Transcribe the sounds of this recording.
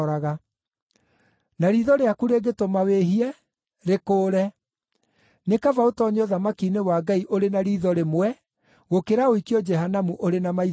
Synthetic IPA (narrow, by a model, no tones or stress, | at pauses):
ɾaɣa | naɾiðɔɾeakuɾeɡetomaweɦiɛ | ɾekoːɾɛ | nekavaotɔɲɔðamakinewaːɡaiʔoɾenaɾiːðɔɾemwɛ | ɣokeɾaoikiɔd͡ʒɛɦanamuʔoɾenamai